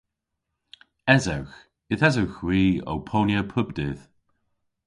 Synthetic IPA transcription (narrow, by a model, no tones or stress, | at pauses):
ɛzawx | ɪðɛzawxwiːo̰wpʰoːnjəpʰʊbdɪð̥